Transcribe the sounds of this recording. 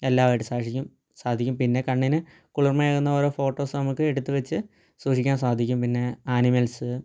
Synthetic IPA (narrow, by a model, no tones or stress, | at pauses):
e̞lːaːʋaːjʈːɨsaːʂikʲːum | saːd̪ʱikʲːumpinːe̞kɐɳːinɨ | kuɭurmɐjaːɣunːɐoːɾoːfo̞ːʈːo̞ːsɨnɐmukːɨeɽut̪ːɨʋet͡ɕːɨ | suːʂikʲːaːnsaːd̪ʱikʲːumpinːe̞aːnimɐlsɨ